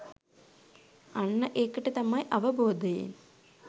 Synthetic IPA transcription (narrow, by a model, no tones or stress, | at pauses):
ɐɳːɐʔeːkːiʈːɨt̪ɐmːaːjʔɐʋɐbʱoːd̪ʱɐjḛːn